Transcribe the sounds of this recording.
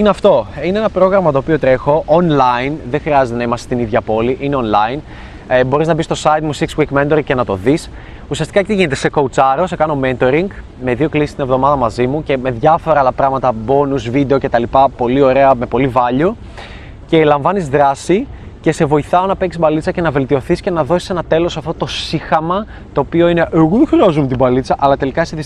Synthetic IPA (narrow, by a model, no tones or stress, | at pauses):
ineɐft̪o̞ineenɐpɾo̞ɣɾɐmɐt̪o̞ːpio̞t̪ɾe̞xo̞ʔonlɐjnðexɾiɐze̞t̪enɐimɐse̥st̪iniðʝɐpo̞liʔineo̞nlɐjn | bo̞ɾiznɐbist̪o̞sɐit̪musikswikment̪o̞ɾiŋce̞nɐt̪o̞ðis | usiɐst̪ikɐct̪iʝine̞t̪e̞se̞kout͡sɐɾo̞sekɐno̞ment̪o̞ɾiŋɡ | me̞ðio̞klisi̥st̪inevðo̞mɐðɐmɐzimuce̞me̞ðʝɐfo̞ɾɐɐlɐpɾɐɣmɐt̪ɐbo̞nuzvid̪e̞o̞ce̞t̪ɐlipɐpo̞lio̞ɾe̞ɐme̞po̞livɐʎo | ce̞lɐɱvɐnizðɾɐsi | ce̞se̞vo̞iθɐo̞nɐpecisbɐlit͡sɐce̞nɐve̞lt̪io̞θisce̞nɐðo̞si̥se̞nɐt̪e̞lo̞sɐft̪ot̪o̞sixɐmɐ | t̪o̞ːpio̞ine̞ʔeɣoðexɾiɐzumt̪ibɐlit͡sɐʔɐlɐt̪e̞likɐseðis